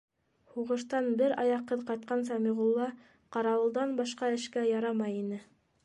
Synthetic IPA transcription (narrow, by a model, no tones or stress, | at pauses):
huʁɤ̆ʃt̪ɑnbɘɾɑjɑqːɤðqɑjt̪̚qɑns̬ɑmiʁulˠːɑ | qɑɾɑwɤ̆lˠd̪ɑnbɑʃqɑɘ̆ʃkæjɑɾɑmɑjinɘ